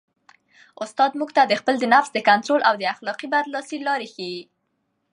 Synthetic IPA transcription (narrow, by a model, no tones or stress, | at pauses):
ʊst̪ɑd̪muɡt̪ad̪əxpəld̪ənafsd̪əkant̪ɾolʔawd̪əaxlɑqibaɾlɑsilɑɾexewi